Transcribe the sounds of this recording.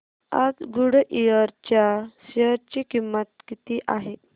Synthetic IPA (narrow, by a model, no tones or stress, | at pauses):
a̰t̪ɡuɽʔijəɾt͡ɕjasjəɾt͡ɕikimːət̪̚kit̪iʔaɦe